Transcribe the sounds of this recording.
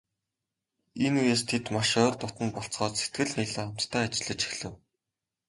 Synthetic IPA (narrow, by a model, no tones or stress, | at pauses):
enujeːst̪ʰet̪maʃœːrt̪ʊt̪ə̆npɔɬt͡sχɔːt͡sse̥t̪̚ɡɘ̆ɮniɮĕχam̥t̪t̪ʰːæːat͡ɕɪ̆ɮə̆t͡ɕi̥xɮɘ̆w